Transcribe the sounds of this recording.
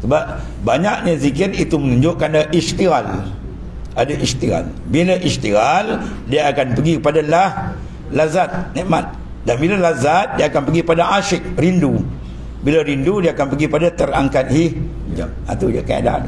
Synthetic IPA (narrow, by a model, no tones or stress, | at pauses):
səbap̚ | baɲakɲazikɪrit̪umənuɲd͡ʒʊʔkanaʔist̪ial | ʔadaʔist̪iɣa̰l | bilaʔist̪ial | diaːkanpəɡikəpadalah | lazat̪̚nɛʔmat̪̚ | danbilalazat̪̚diaakanpəɡikəpadaaʃɪk̚rindu | bilaɾindudiaːkanpəɡikəpadat̪əraŋkat̪̚hi | d͡ʒa̰m̚a̰t̪ud͡ʒaka̰a̰da̰n